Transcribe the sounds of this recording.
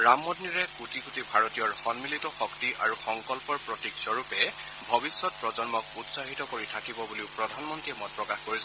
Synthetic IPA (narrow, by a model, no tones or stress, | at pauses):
ɹamːɔdniɹɛkutikutibʱaɹɔtijɔɹxɔnmilitɔxɔktiʔaɹuxɔŋkɔlpɔɹpɹɔtiksɔɹupɛ | bʱɔbisːɔt̚pɹɔzɔnmɔk̚utsaɦitɔkoɹitʰakibɔbuliʊpɹɔdʱanmɔntɹiɛmɔj̚pɹɔkaxkoɹisɛ